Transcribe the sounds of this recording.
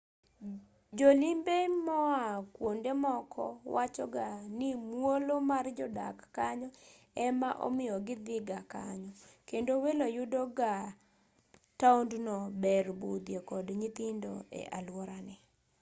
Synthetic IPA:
d͡ʒolimbemɔakwondemɔkʰɔ̰wat͡ʃɔɡanɪmwolomard͡ʒɔda̰kːaɲɔ | ɛmaʔo̰mɪjɔɡɪd̪ɪɡakaɲɔkendowelojudoɡa | taundnɔbɛrbud̪jekɔdɲit̪ɪndoḛʔalwɔɾanɛ

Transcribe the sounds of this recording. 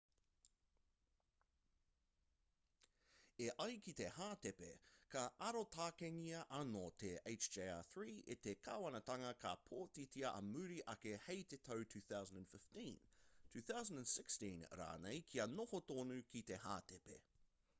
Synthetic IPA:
eʔɐjkit̪e̞haːt̪epḛkɐʔɐɾot̪ʰaːkeŋiɐʔɐnot̪ʰeeɪt͡ʃd͡ʒea̰θɹiːet̪ekʰaːwɐnɐt̪ɐŋɐkʰapʰoːt̪itiɐʔɐ̰mʉɾiʔɐkehejt̪etʰowtʰʉːθawzə̃ndə̃nfɪftĩntʰʉːθawzə̃ndə̃nsɪkstĩn̰ɾa̰ːnejkʰiɐnohotoːnʉkit̪eha̰ːt̪epe

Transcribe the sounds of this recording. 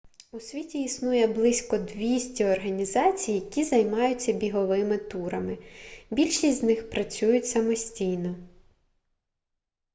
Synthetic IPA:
usʲʋʲitʲiːsnujɛblˠɪsʲkɔd̪ʋʲisʲtʲiɔrɦɐnʲizɑt͡sʲijjɐkʲizɐjmɑjʊt͡sʲːɐbʲiɦɔʋɪmɪt̪uɾɐmɪbʲilʲʃisʲtʲznɪxpɾɐt͡sʲujʊtʲsɐmɔsʲtʲijnɔ

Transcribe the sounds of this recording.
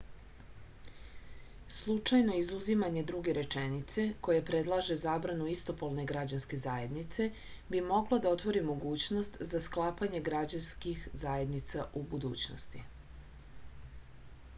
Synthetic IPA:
slˠut͡ʂajno̞izuzimaɲe̞d̪ɾuɡe̞ɾe̞t͡ʂenit̪se̞ko̞jepɾe̞d̪lˠaʒe̞zaːbɾanuist̪o̞polˠne̞ɡɾad͡ʑanske̞zaːje̞d̪nit̪se̞ | bimo̞ɡlˠod̪aot̪ʋo̞ɾimo̞ɡuːt͡ɕno̞st̪zasklˠaːpaɲe̞ɡɾad͡ʑanskixzaːje̞d̪nit̪saʔubud̪ṵːt͡ɕno̰st̪i

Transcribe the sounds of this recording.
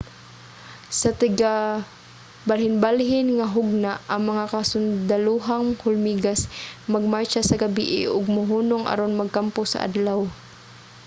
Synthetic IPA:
sat̪ɪɡa | balhɪnbalɦɪnŋaɦʊɡ̚naaŋmaŋakasʊnd̪aluɦaŋhʊlmiɡasmaɡ̚majt͡ʃasaɡabiʔɪ̰ʔʊɡ̚mʊɦuːnʊŋʔa̰ɾonmaɡ̚kampʊsa̰ʔa̰d̪law

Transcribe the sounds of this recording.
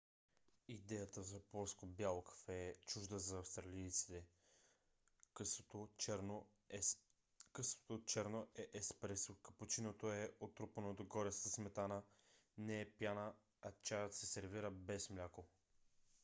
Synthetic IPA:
id̪ɛjət̪əzɐpɔlˠskobjalˠkə̥fɛt͡ʃuʒd̪əzɐːfst̪ɾɐlʲijt̪si̥t̪ɛ | kəsvo̥t̪ot͡ʃɛɾnoʔɛʔɛspɾɛsokəpʊt͡ʃinot̪oɛot̪ɾupənod̪oɡɔɾɛsəsmɛt̪anənɛːpjanə | ɐt͡ʃajət̪sɛsɛɾviɾəbɛsmlʲako

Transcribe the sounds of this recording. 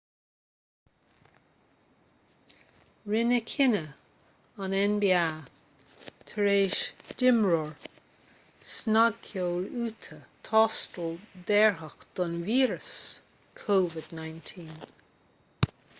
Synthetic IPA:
ɹɪnəkʰɪnə | anɛnbia | t̪ʰəɹeːʃd̥ɪmɹɔɹ | snaɡkoːɹuːt̪ʰət̪ʰɔstəld̪ɛɹɦəxd̪̥ɔnviːɹəs | kʰoːvɪd̪najnt̪ʰiːn

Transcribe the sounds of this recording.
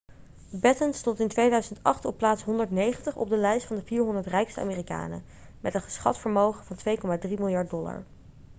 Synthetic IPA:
bɛtənstɔntɪntʋejdœɥzəntɑ̰χtɔpːlaːtsɦɔndəɹtnejχəntəχɔ̰b̚dəlɛjstfɑndəviːɹɦɔndəɹtrɛjkstəa̰ːmeːrika̰ːnə̰ | mʔɛtəχə̥sχɑ̰tfəɹmowχəvɑntʋejkɔmaːdrimɪlˠjɑɹt̚dɔla̰ɹ

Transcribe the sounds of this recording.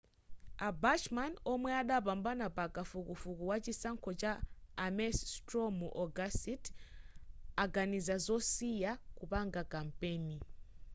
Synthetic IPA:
abat͡ʃmanɔmwɛaɗapambanapakafukufukuwat͡ʃisaŋkʰɔt͡ʃaːmɛstɾɔmuʔɔɡasit | aɡanizazɔsijakupaŋɡakampɛːni

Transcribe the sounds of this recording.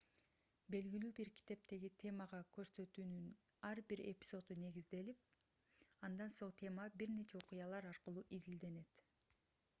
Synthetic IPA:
be̞lɡilyːbiɾkʰi̥t̪e̞pt̪e̞ɡit̪ʲʰe̞mɑʁɑkʰø̞ɾsø̞t̪yːnyn | ɑɾbiɾe̞̰pʲi̥zo̞t̪une̞ɡizd̪e̞lip̚ | ɑnd̪ɑnso̞ɴt̪ʰʲe̞mɑbiɾne̞t͡ʃeoqʊjɑlˠɑɾɑɾqɯlˠuːʔizild̪e̞ne̞t̪

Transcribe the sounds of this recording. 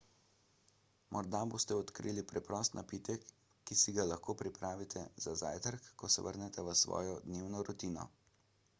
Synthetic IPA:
mʔɔɾd̪aboːst̪ɛɔt̪kɾiːlipɾɛpɾɔst̪nʔapiːt̪ɛkː | isiɡalaxkoːpɾipɾaːʋit̪ʰɛzaza̰ːjt̪əɾkːɔsɛ̰ʋə̰ɾnɛt̪ɛʋəsʋɔ̰ːjɔd̪neːwnɔɾɔt̪iːnɔ̰

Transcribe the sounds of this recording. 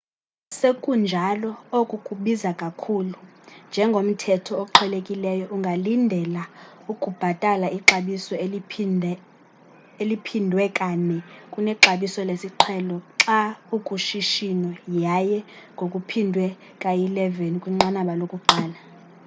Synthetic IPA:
sekʼund͡ʒʱalɔokʼukʼuɓizakʼakʰulund͡ʒʱɛŋɡʱom̩tʰɛtʰɔoǃʰɛlekʼilɛjɔʔuŋɡʱalindʱɛla | ukʼub̥ʱatʼalaʔiǁaɓisɔ | elipʰindʱwɛkʼanɛkʼunɛǁaɓisɔlesiǁʰɛlɔǁaukʼuʃiʃinɔjajɛŋɡʱokʼupʰindʱwɛ | kʼajilɛvenikʼwiŋ͡ǁanaɓalokʼuǃaːla

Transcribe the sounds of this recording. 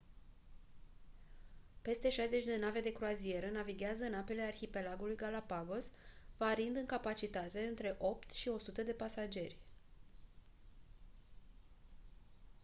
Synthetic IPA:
pe̞st̪e̞ʃajze̞t͡ʃʲd̪e̞nave̞d̪e̞kɾuazie̞ɾənaviɡʲeazəɨnape̞le̞arçipe̞laɡulujɡalapaɡo̞svaɾind̪ɨŋkapat͡ʃit̪at̪e̞ɨnt̪ɾe̞ʔo̞p̚t̪ʃio̞sut̪əd̪e̞pasad͡ʒe̞rʲ

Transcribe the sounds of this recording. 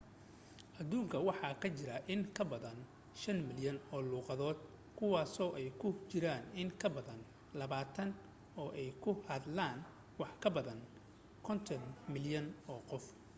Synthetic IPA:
ʔɐðuːŋkʰɐwɑħɑːkʰɐt͡ʃɪɾɐʔɪŋkʰɐbɐðɐn | ʃɐnmɪljɐnɔːluːqɑðɔːd̪ | kʰʊwɑːsɔːʔɛjkʰʊt͡ʃɪɾaːnɪŋkʰɐbɐðɐn | lɐβaːt̪ʰɐn | ɔːʔɛjkʰʊhɐd̪laːn | wɑħkʰɐbɐðɐn | kʰɔnt̪ʰɔnmɪljɐnɔːqɔf

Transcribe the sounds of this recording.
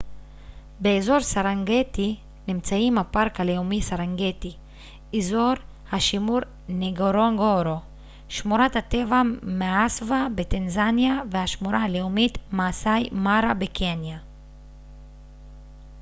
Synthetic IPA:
be̞ezo̞ʁsaʁaŋɡeti | nimt͡saimhapaʁkaleumisaʁaŋɡeti | ezo̞ʁ | haʃimuɾ | neɡoɾoŋɡoɾo | ʃmuɾathat̪e̞vameasvabetanzanjavehaʃmuɾaaleumitmaːsajmaɾabekʰenja

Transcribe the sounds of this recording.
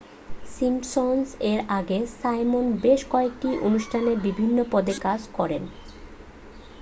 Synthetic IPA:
simʈsonseɾaɡesajmonbeʃkɔek̚ʈiʔonuʃʈʰaneɾbibʱinːopɔd̪ekad͡ʑkɔɾen

